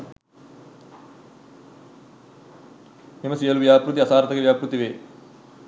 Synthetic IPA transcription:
nimɐsiɐluʋjaːpɾut̪iɐsaːɾt̪ɐkɐʋjaːpɾut̪iʋeː

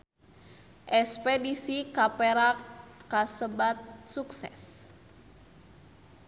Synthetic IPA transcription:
ʔɛspɛdisikapɛɾakasəbat̪̚suksɛ̰s

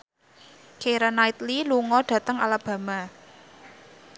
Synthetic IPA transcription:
keɾanaɪt̪liluŋɔɖ̥ä̤t̪əŋalab̥a̤ma

